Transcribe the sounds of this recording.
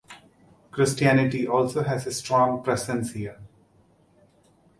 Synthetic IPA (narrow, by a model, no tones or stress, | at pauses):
kɾɪsʈiænɪʈiʔɔːlsoːɦæzesʈɾɔ̃ːŋpɾɛsə̃nshiəɾ